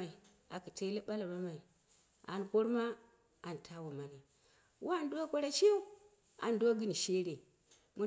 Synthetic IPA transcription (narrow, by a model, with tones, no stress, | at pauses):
a˨i˨ | a˨ki˨te˦li˦ɓa˦la˨ba˦ma˨i˨ | a̰˨nko˦ɾma˦ | a˨n˨tʰa˦wa˨ma˨na˨ | wʔa˦˨ndo˦kʷa˦ɾa˦t͡ʃi˦jo˦ | a̰˨ndo˦ɡɨ˦n˨ʃe˦ɾe˨ | mu˦